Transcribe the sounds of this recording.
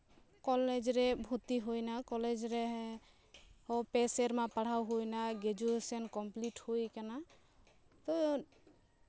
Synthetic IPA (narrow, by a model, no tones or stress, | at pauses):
kɔled͡ʒɾɛbʱut̪iɦojnakɔled͡ʒɾɛ | hɔpɛsɛɾmapaɽ̤awɦojnaɡɛd͡ʒuesɔnkɔmpliʈhojkana | t̪ɔ